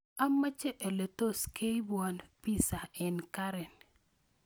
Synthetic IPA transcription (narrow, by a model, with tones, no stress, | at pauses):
a˦mːa˦t͡ʃɛ˦ʔe˨le˨to˦ske˦i˦bwa˨npi˦sa˨ɛ˨nka˦ɾɛ˨n